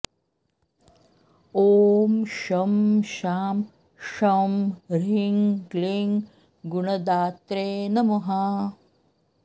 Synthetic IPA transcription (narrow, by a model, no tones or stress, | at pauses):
oːmʃɐmʃaːm | ʃɐmɾiŋɡliŋ | ɡuɳɐd̪aːt̪ɾeːnɐmɐɦa